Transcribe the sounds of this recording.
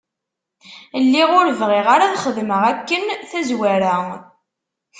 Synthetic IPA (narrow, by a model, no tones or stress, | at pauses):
lːiʁʊɾvʁiʁaɾaθχəðməʁækːənθæzwæɾæ